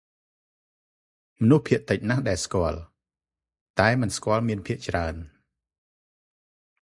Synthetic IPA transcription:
mɔnuhpʰiəʔt̪ɨc̚nahɗaɛlskŏəl | t̪aɛmɨnskŏəlmiənpʰiəʔt͡ɕraən

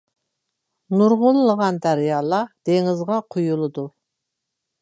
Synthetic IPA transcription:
nuɾʁʊlˠləʁɑnd̪æɾjɑːlˠɑd̪̥eŋɪzʁɑqʰujulˠɨd̪u

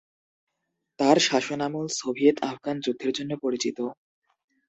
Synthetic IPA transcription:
t̪aɾʃaʃonamulsobʱijet̪ʰafɡand͡ʑud̪ʱːeɾd͡ʑonːepoɾit͡ɕit̪o

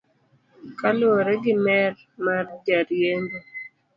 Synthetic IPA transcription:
kalwoɾɛɡɪmɛr | mard͡ʒaɾjendo

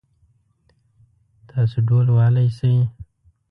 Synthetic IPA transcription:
t̪ʰɑːsoɖolwɑːlajsaj

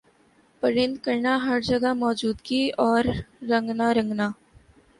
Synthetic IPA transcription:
pəɾɪ̃nd̪kɐɾnaɦɐɾd͡ʒɐɡamɔːd͡ʒuːd̪kiɔːɾːɐ̃ŋɡnaɾɐ̃ŋɡnaː

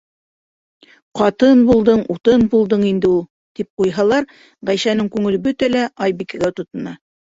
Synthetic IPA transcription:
qɑt̪ɤnbulˠd̪ɤɴut̪ɤnbulˠd̪ɤɴind̪ɘulˠ | t̪ip̚qujɦɑlˠɑɾ | ʁæjsænɘŋkʉŋɘ̆lɘbɵt̪ælæʔɑjbikæɡæt̪ŏt̪ɤ̆nɑ

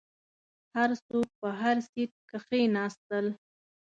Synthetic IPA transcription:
haɾsok̚pəɦaɾsiʈ̚kəxenɑst̪əl

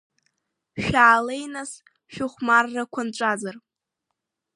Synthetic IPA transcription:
ʃᶣaːlejnas | ʃᶣʊχʷmarːakʷʰanʈ͡ʂʷʼazar

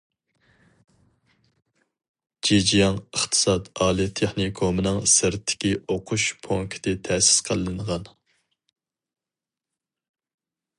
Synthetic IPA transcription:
d͡ʒed͡ʒijɑŋəχt̪ʰɨ̥sɑd̪ɑːlˠijt̪ʰeχnikʰomɨnɨŋsɨɾt̪ʰːɪ̥kʲioqʰuʃpʰoŋkʲʰi̥d̪ɪt̪ʰɛsɪ̥sqʰəlˠɨnʁɑn

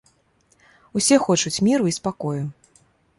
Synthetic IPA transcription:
usʲɛxɔt͡ʂut͡sʲmʲiɾuispakɔju

